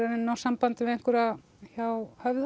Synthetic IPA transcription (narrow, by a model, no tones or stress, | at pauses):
aɾɪnːawsampant̪ɪmɪðeŋ̥kʏɾa | çawhœvð